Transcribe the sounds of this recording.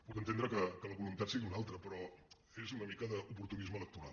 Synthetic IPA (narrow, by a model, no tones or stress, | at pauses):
puk̪ənt̪end̪ɾəkəkələβulunt̪at̪siɣiunalˠt̪ɾəpɾɔ | ezunəmikəðəupuɾt̪unizmələk̚t̪uɾa̰lˠ